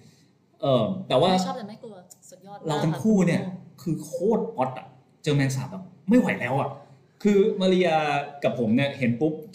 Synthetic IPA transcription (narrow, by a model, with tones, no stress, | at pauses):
ʔɤː˧˩t̪ɛː˨˩waː˥˩ | ɾa˧wt̪ʰa˧ŋkʰuː˥˩ni˥˩ɐkʰɯː˧kʰoː˥˩t̪̚pɔ˦˥t̪̚ʔa˨˩ | t͡ɕɤː˧mɛː˧ns̬aː˨˦m̚bɛː˨˩p̚ma˥˩jwa˨˩˦jlɛː˦˥wa˨˩ | kʰɯː˧maː˧ɾi˧jaː˧ka˨˩pʰo˩˦mni˥˩ɐhe˩˦npu˦˥p̚